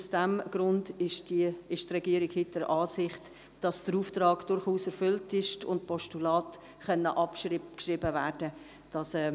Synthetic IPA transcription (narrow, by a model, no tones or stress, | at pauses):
usd̥ɛmɡ̥ɾʊndɪʃɪʃtrɛɡiəɾɪɡhɪt̚d̥əɾʔɑːsɪχt | d̥ɑsd̥əɾuːftrɑːɡ̥d̥ʊɾχuːsɛɾfʏltɪʃtʊ̰ntpʰɔʃtulɑːt | χœnːəʔɑpʃɪkʃɾɪbəvæːɾd̥ə | d̥ɑsɛː